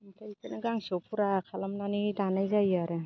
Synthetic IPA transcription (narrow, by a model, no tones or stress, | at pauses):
matajkanaɡaŋsɔwpʰuɾakʰalamnanidanajzajaɾa